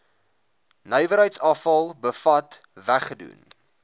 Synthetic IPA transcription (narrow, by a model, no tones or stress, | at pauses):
nœjvəɾɦəjtsɑfɐlˠbəfɐtvæχədṵn